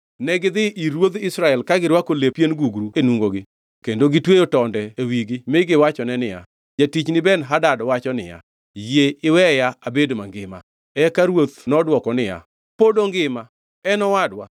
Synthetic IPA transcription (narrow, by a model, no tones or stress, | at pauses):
nɛɡɪd̪ɪʔiɾwod̪ɪsɾaɛlkaɡɪɾwakolepjenɡuɡɾuenwuŋɡoɡɪ | kendoɡɪtwejotɔndɛewiɡɪmɪɡɪwat͡ʃɔnɛnɪja̰ | d͡ʒatit͡ʃnɪbɛnɦadadɔwat͡ʃɔnɪ̰ja̰ | jeɪwɛjaabedmaŋɡɪma̰ | ɛkaɾwot̪nɔdwɔkɔnɪja̰ | podoŋɡɪma | ɛnɔwadwa̰